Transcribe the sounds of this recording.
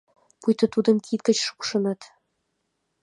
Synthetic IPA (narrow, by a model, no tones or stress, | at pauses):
pujt̪ɤ̆t̪ud̪ɤ̆mkʰʲit̪̚kə̆t͡ɕʂu̥kʂɤ̆nɤ̆t̪